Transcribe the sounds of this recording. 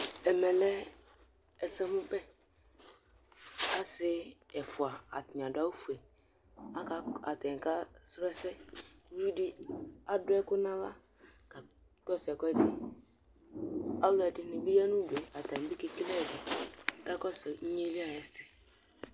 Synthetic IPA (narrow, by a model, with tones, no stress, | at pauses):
ɛ˨mɛ˨lɛ˦ | ɛ˨sɛ˦mʊ˦bɛ˦ | a˦sɪ˦ɛ˨fʊ˨a˨a̰˨tɪ˨ɲ˨ã˨da˦u˦fu˨e˨ | a˦ka˦a˨tɛ˨ka˦sɾɛ˦sɛ˦˨˦ji˦dɪ˦a˨dʊ˨˦ɛ˦kʊ˦nã˦la˦ka˨kɔ˦˨sɛ˨kɔ˦ɛ˦˨di˨ | a˦lʊ˦ɛ˨dɪ˨nɪ˨bi˦jɛ˦nũ˦de˨a˨ta˨bi˦ki˦ki˦lɛ˦˨dɪ˨ka˦kɔ˦sɛ˨ɲ̩˦ɲe˦li˦a˨jɛ˨sɛ˨